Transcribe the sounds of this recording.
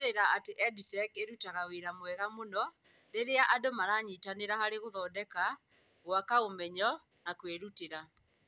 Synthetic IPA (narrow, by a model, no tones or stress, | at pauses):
eɾaateʔɛditɛkeɾutaɣawiɾamwɛɣamonɔ | ɾeɾeaʔadomaɾaːɲiːtaneɾahaɾeɣoðɔdɛka | ɣwakaomɛɲɔ | nakweɾuteɾa